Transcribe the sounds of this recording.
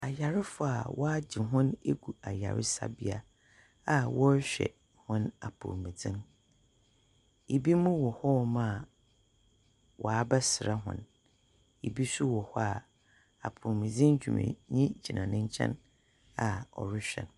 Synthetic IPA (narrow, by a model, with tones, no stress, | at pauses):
a˨ja˨ɾɪ˦fʊ˦a̰˨wɔ˦a˦d͡ʑi˨ɦʊ̃˦ne˦ɡu˨a˨ja˨ɾɪ˦sa̰˦bi˦a˦ | a˨wɔ˦ɕᶣɛ̰˨ | hʊ̃˦na˨pʰṵ˨mĩ˨d͡zɪ̃˦n | e˨bi˦mũ˦wɔ˨hɔ˦mã˦˨ | wʔɔ˨a˨ba˦sɪ˨ɾa˦ɦʊ̰̃˦n | e˨bi˦su˦wɔ˨hɔ˦a˨ | a̰˨pʰu˨mĩ˨d͡zɪ̃˦n˦d͡ʑᶣu˨mɪ̰̃˨ɲĩ˦d͡ʑi˨nʔã˨nɪ̃˦ɲ˦t͡ɕʰɛ̰̃˦n | a˨ɔ̰˨ɾɪ˦ɕᶣɛ̰˨n